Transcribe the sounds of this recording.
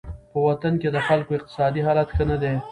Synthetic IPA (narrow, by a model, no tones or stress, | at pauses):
pəwat̪anked̪əxalkoɪq̚t̪ɪ̥sɑd̪iɦɑlat̪xənad̪e